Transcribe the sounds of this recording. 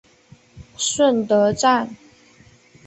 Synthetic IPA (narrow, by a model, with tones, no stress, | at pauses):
ʂwə˥˩nt̪ɤ˧˥ʈ͡ʂa˥˩n